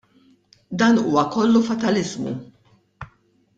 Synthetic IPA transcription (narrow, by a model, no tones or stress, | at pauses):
d̪ɐːnuːwɐkɔlːufɐt̪ɐlɪzmṵ